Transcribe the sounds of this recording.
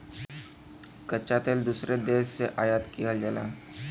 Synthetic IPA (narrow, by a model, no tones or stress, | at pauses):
kət͡ʃaːt̪eld̪uːsɾed̪eːʃːeʔaːjaːt̪kiɦəld͡ʒəla̰ːn